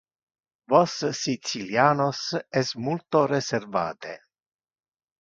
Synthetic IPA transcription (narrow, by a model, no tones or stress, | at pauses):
vossit̪siljaːnosesmult̪oɾeserva̰ːt̪ḛ